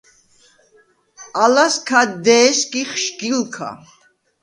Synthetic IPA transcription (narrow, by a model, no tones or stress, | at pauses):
alaskʰad̪ɛːskʼiχʃɡilkʰa̰